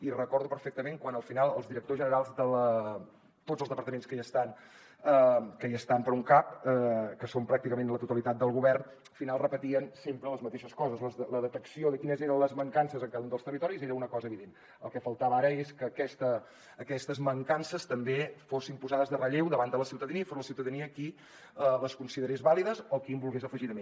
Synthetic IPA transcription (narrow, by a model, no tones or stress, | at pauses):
irəkɔɾðupəɾfɛk̚t̪əmeŋkwanəlˠfinalˠə̰lˠzðiɾək̚t̪ozʒənəɾalˠzd̪ələ | t̪odzəlˠzðəpəɾt̪əmenskəəst̪an | əkəiəst̪ampəɾuŋkap̚əkəsompɾak̚t̪ikəmenlət̪ut̪əlit̪at̪̚d̪əlˠɣuβɛrn | finalˠrəpət̪iənsempɾələzmət̪eʃəskɔzəzləzələðət̪əksioðəkinəzeɾənləzməŋkansəzəŋkaðəunəlˠst̪ərit̪ɔɾizeɾəunəkɔzəːβiðen | ə̰lˠkɛfəlˠt̪aβəaɾəeskəːkɛst̪əː | kɛst̪əzməŋkansəst̪əmbefosimpuzaðəzðərəʎewd̪əβanələsiwt̪əðəniəifoɾləsiwt̪əðəniəki | ələskunsiðəɾezβaliðəzɔkimbulˠɣezəfəʒiɾðəme